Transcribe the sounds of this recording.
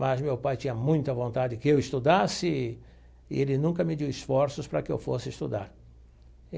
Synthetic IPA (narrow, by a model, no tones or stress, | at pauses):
mɐzmewpajt͡ʃ̪ĩɲɐmũj̃t̪ɐvõnt̪ad͡ʒɪkɪewɪst̪ud̪asɪ | ɪ̰elɪnũkɐmɪd̪iwisfɔɾsʊspɾɐkɪḛwfosɪist̪ud̪a̰ɾ